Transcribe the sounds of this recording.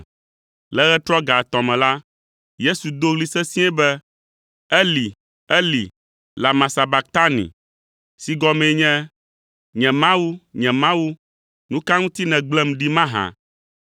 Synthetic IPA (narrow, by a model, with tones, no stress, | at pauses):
lɛ˦ɣɛ˦t̪ɾɔ˦ɡa˨t̪ɔ̃˨mɛ̃˨la˦ | je˦su˨d̪o˦ɣli˦sɛ˦sĩ˦ɛ˦bɛ˦ | ɛ˦li˨ | ɛ˦lḭ˨ | la˨mã˨sa˨ba˨k̚t̪a˦nḭ̃˨ | si˨ɡɔ˦mɛ̃˨˦ɲɛ̃˦ | ɲɛ̃˨mã˦wu˦ɲɛ̃˨mã˦wu˦ | nũ˦ka˦ŋũ˦t̪i˦nɛ̃˨ɡ͡blɛ˦mɖi˦mã˦ɦã̰˨